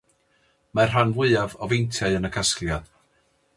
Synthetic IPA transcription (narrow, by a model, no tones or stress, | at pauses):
mar̥ɦanvwɪavɔvejntʰjaɨənəkʰasklja